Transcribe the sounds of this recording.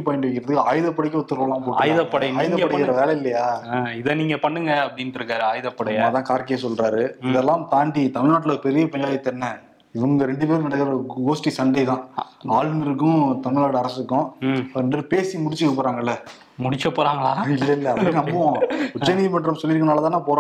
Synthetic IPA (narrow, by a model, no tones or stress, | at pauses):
ipɐjɪɳɖɯʋɛkːɪɾɐðɯkːɯaːjðɐpːɐɽɪk̬ːɔt̪ːɯɾɐlãːpoːʈːjðɐpːɐɽɐaːjɪðɐpːɐɽɐkɾɐʋeːlɐɪlːɐjaːɪðɐniːŋɡɐpɐɳːɯŋɡɐɐpːɐɽindɾɯkːaːɾɯaːjðɐpːɐɽɐnaːt̪ãːkaːɾkːɪjɐsɔlɾaːɾɯɪðɛlːãːmt̪aːɳɖit̪ɐmɪɻnaːʈːɪlɐoːɾɯpɛɾɪjɐpɐjaːjɐt̪ːɛnːɐ | ɪʋɐŋɡɐɾɛɳɖɯpeːɾnɐɽɐkːɾɐɡoːsʈisɐɳɖɐt̪ãːaːlmɪɾɯkːʊ̃t̪ɐmɪɻnaːɽɯɐɾɐsɯkːʊ̃ɳɖɐɾɯpeːsimʊɽɪt͡ʃːɯkːɐpːoːɾaːŋɡɐɪlːɐ | mʊɽɪt͡ʃːɐpːoːɾaːŋɡɐɭaːɪlːɐɪlːɐɐpːɐɽinnɐmbɐʋõʊt͡ʃːɐnimɐɳɖɾɐmsɔlːɪɾkːnaːlɐt̪ãːnːãːpoːɾ